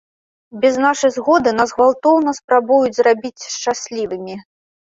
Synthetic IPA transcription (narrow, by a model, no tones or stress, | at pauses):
bʲɛznaʂɐjzɣɔd̪ɨnazɣvalˠt̪ɔwnɐspɾabujud͡zʲzɾabʲit͡sʲʂt͡ʂasʲlʲivɨmʲi